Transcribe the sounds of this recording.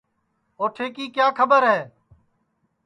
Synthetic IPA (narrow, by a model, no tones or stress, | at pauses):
oːʈʰeːkiːkjaːkʰəbəɾɦɛː